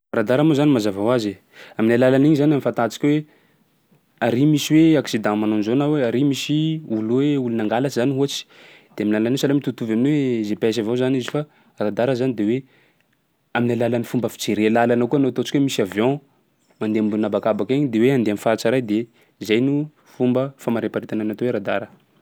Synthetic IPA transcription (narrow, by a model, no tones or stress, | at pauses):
rad̪aɾamozanimazavawaze | aminalalaniɲizanamifãnt̪at͡si̥kʲwe | aɾimisiweaksid̪ãmanonzonaweaɾimisiulweulunaŋɡalat͡ʃizaniɦuat͡si̥d̪̥eaminlalanisalamit̪ut̪uvaminwezepas̬avazanizifa | rad̪aɾəzanid̪ewe | aminalalanifumbəfi̥t͡seɾelalanokuanot̪ot͡si̥kwemisavjɔ̃ | mand̪eambulunabakabakeɲid̪eweãnd̪eamifaat͡ʃaɾajd̪e | izajnu | fumbəfamaɾepaɾit̪ananat̪oweɾad̪aɾə